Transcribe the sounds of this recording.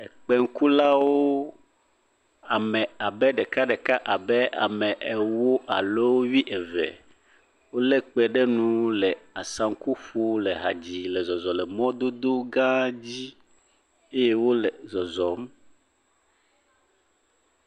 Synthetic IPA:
ɛ˨k͡pɛ˦ŋ̩˦ku˦la˦wo˦ | a˨mɛ̃˨a˨bɛ˦ɖɛ˨ka˦ɖɛ˨ka˦ʔa˨bɛ˦a̰˨mɛ̃˨ʔɛ˨wo˦ʔa˨le˦wo˦wi˦ʔɛ˨vɛ̰˨ | wo˦le˦k͡pɛ˨ɖɛ˦nũ˨˦lɛ˨a˨sã˨ŋ̩˦ku˦ɸu˦lɛ˨ɦa˨d͡ʑi˨lɛ˨zɔ˨zɔ˨lɛ˨mɔ̃˦d̪o˦d̪o˦ɡã˦d͡ʑi˦ | e˦je˦wo˦lɛ˨zɔ˨zɔ˨m

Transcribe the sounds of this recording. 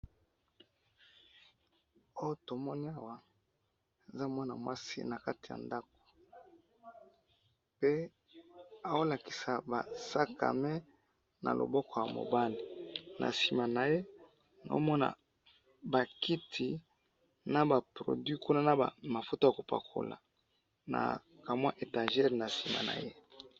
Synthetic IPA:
o˦jo˦to˨mɔ˦ni˦a˦˨wa˨ | e˨za˦mwa˦na̰˨mwa˦sḭ˦na˨ka˦ti˨ja̰˨nda˦k̚o̥˨ | pe˦ | a˨wo˦la˨ki̥˨sa˨ba˨sa˦ka̰˨me˦ | na̰˨lo̰˨bɔ˦kɔ˨ja˨mo̰˨ba˦li˨nʔa̰˨si˨ma˨na˨je˦ | na̰˨o˦mɔ˦na̰˨ | ba˨ki˦tʰi˨ | na˨ba˨pʁo̰˨dwɥi˦ku˦na˦na˦˨a˨ma˨fo˦to˦ja˨ko˨pa̰˨kʰo̰˨la̰˨ | na̰˨ | ka˨mwa˦ʔe˨ta˨ʒɛ˦ʁna˨si˨ma̰˨na̰˨je˦

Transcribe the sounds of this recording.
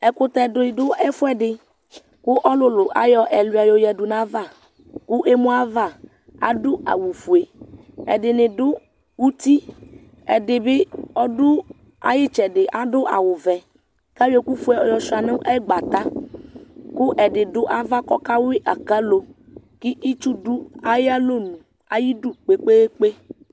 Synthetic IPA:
ɛ˨kʊ˦t̪ɛ˨dʊ˨˦ɪ˨dʊ˦ɛ˦fʊ˦ɛ˦dɪ˨ | kʊ˦ʔɔ˦lʊ˨lʊ˨ʔa̰˨jɔ˦ʔɛ˨lʊ˨˦˨a˨jɔ˨jɛ˨dʊ˨nã˨˦va˦˨ | kʊ˦ʔe˦mʊ˦a˦va˦˨ | a̰˨dʊ˦a̰˨wu˨fu˨e˨ | ɛ̰˨dɪ˨nɪ˨dʊ˦ | wu˦t̪i˦ | ɛ̰˨dɪ˨bɪ˦ɔ˦dʊ˦ | a̰˨jɪ˦t͡ʃɛ˨dɪ˨ʔa˨dʊ˦ʔa̰˨wʊ˨vɛ˨ | ka˦we˨ku˦fu˦e˨ɔ˨jɔ˨ʃa˨nɪ̃˦ʔɛ˦ɡ͡ba˨t̪a˦ | kʊ˦ʔɛ˨dɪ˨dʊ˦ʔa˨va˦kɔ˦ka˦wɪ˦ʔa˨ka˦lo˨ | kɪ˦ʔi˦t͡ʃu˦dʊ˦a˦jɪ˦a˦lo˦˨nũ˨ | a˨ji˦du˦k͡pe˦k͡pe˦e˦k͡pe˦

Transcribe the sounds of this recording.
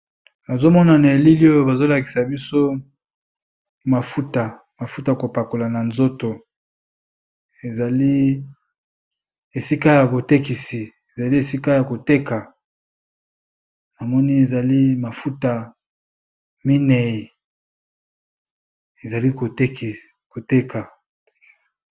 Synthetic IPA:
na˨zo˦mɔ˦na˨na˨e˨li˦li˦o˦jo˦ba˨zo˦la˨ki̥˨sa˨bi˦so˦ | ma˨fu˦ta˨ | ma˨fu˦ta˨ja˨ko˨pa˨ko˨la˨na˨nzo˦to˨ | e˨za˨li˦ | e˨si˦ka˦ja˨bo˨te˦ki˨si˨ | e˨za˨li˦e˨si˦ka˦ja˨ko˨te˦ka˨ | na˨mɔ˦ni˦e˨za˨li˦ma˨fu˦ta˨ | mi˦nɛ˨i˨ | e˨za˨li˦ko˨te˦k | ko˨te˦ka˨˦ | k

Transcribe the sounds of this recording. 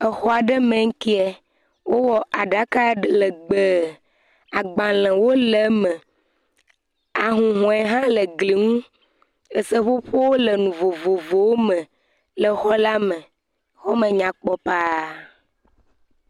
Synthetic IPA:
ə˨xɔ˦a˨ɖə˦mẽ˨ŋ̩˦ki˦ɛ˨ | wo˦wɔ˨ʔa˨ɖa˨˦ka˦˨lə˨ɡ͡be˨ | a˨ɡ͡bã˨l̃ɛ̃˨wo˦lə˨mɛ̃˨ | a˨ɦũ˨ɦɔ̃˨ɛ˨ɦã˦lə˨ɡli˨ŋũ˦ | ə˨sə˦ɸo˦ɸo˦wo˦lə˨nũ˨vo˨vo˨vo˨wo˦mə̃˨ | lə˨xɔ˦la˦mɛ̃˨ | xɔ˦mə̃˨ɲã˨k͡pɔ˦pa˦

